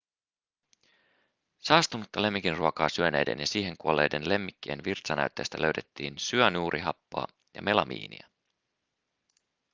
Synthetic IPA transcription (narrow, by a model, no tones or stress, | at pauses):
sɑːst̪unut̪ːɑle̞mːikinruokɑːsyøne̞ːjde̞̰njɑsiːɦe̞ŋkuolːe̞̰ːjde̞nle̞mːikːḛːnʋirt̪sɑnæ̰yt̪ːeːst̪ælø̞ɥt̪e̞t̪ːiːnsyønuːɾʔiɦɑpːo̰ɑː | jɑ̰me̞lɑmʔḭːnḭæ